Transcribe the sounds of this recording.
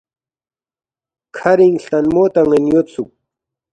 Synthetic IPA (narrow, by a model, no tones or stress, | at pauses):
kʰɐɾiŋɬt̪ɐnmoːt̪ɐŋenjot̪suk̚